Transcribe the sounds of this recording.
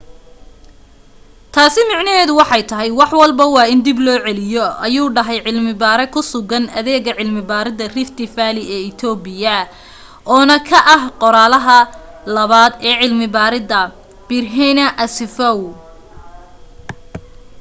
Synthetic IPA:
t̪ʰaːsɪmɑʕnɐɦɛːðʊwɑħɑjt̪ʰɐɦɛjwɑħwɑlbɐwɑːɪnd̪ɪblɔːʕɛlɪjɔɐjuːɖɐɦɛjʕɪlmɪbaːɾɛkʰʊsʊɣɐnɐðɛːɣɐʕɪlmɪbaːɾɪðɐrɪft̪ɪfaːlɪɛːɪt̪ʰɔːbɪjɐ | ʔɔːnɐkʰɐʔɐɦqɔɾaːlɐɦɐ | lɐβaːd̪ɛːʕɪlmɪbaːɾɪdɐ | b̥ɪrɦɛnɐʔɐsɪfɐw

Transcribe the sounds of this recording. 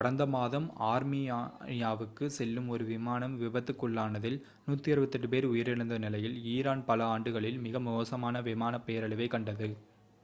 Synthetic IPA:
kɐɽɐnd̪ɐmaːðɐmaːɾmɪjjaːʋɯkːɯsɛlːɯmɔɾɯʋɪmaːnɐmʋɪʋɐt̪ːɯkːɯɭːaːnɐðɪl | nuːt̪ːiɐɾɯʋɐt̪ːɛʈːɯpeːɾʊjɪɾɪɽɐnd̪ɐnɪlɐjɪliːɾaːnpɐlɐaːɳɖɯɣɐɭɪlmɪɣɐmʊoːsɐmaːnɐʋɪmaːnɐpːeːɾɐɭɪʋɐɪkːɐɳɖɐðɯ

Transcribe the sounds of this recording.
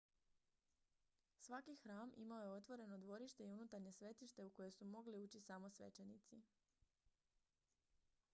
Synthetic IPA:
sʋakixɾaːmʔḭmao̞je̞o̞t̪ʋo̞ɾe̞no̞d̪ʋo̞ɾiʃt̪e̞iunut̪aɾɲe̞sʋe̞t̪iʃt̪e̞uko̞je̞sumo̞ɡliuːt͡ɕisamo̞sʋḛt͡ʃe̞nit̪si

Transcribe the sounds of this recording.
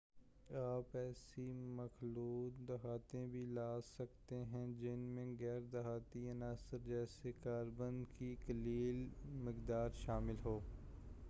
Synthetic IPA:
aːpɛːsimɐxluːt̪d̪ɐɦaːt̪ẽbʱilaːsɐk̚t̪eɦɛ̃d͡ʒɪnmẽɣɛːɾd̪ɐɦaːt̪iɐnaːsəɾd͡ʒɛːsekaːɾbə̃nd̪kikɐliːlmɪkd̪aːɾʃaːmɪlɦoː

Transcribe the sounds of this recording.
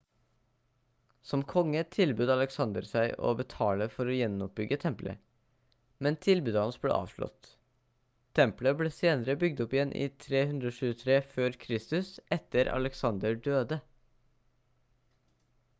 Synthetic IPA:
sɔmkʰɔŋːət̪ʰɪlbʉːd̪ɑləksɑnd̪əɾsæɪʔo̰ːbət̪ʰɑːləfɔɾoːjɛnːʊp̚bʏɡət̪ʰɛmplə̰ | mɛnt̪ʰɪlbʉːd̪əhɑnsblḛːʔɑ̰ːʋʂɭɔ̰t̪ | ɛmpləbleːseːnəɾəbʏɡ̚d̪ɔpɪjɛnʔḭːt̪ʰɾeːhʉnd̪ɾəoːʃʉːət̪ʰɾeːføːɾkʰɾɪst̪ʉsɛt̪əɾɑ̰ləksɑnd̪əɖøːd̪ə

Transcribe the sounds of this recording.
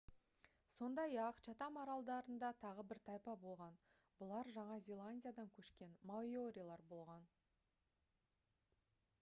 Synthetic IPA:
so̞nd̪ɑjɑqʃɑt̪ɑmɑɾɑlˠd̪ɑɾənd̪ɑt̪ʰɑʁəbɪɾt̪ʰɑjpɑbo̞lˠʁɑn | bʊlˠɑɾʒɑɴɑzʲe̞lˠanʲdʲijad̪ɑŋkʲʰɵʃkʲe̞nmajoɾʲijlˠɑɾbo̞lˠʁɑn

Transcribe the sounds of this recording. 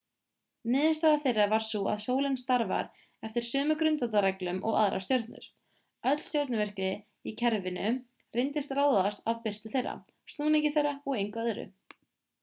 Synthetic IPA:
nɪːðɪst̪aːɣaθejrːavaɾ̥sua̰ðsoːwlɪnst̪aɾva̰ɾ | ɛft̪ɪɾ̥sʏːmʏkɾʏnt̪ant̪aɾɛklʏmʔɔɣa̰ðɾa̰st̪jœɾt̪nʏ̰ɾ̥ | œt̪l̥st̪jɔɾt̪nʏvɛr̥kɾɪ | icʰɛɾvɪnʏ | rɪjnt̪ɪst̪raːwðast̪avpɪr̥t̪ʏθejrːa̰ | st̪nuːniɲcɪθejrːaɔɣejŋkœðɾʏ̰

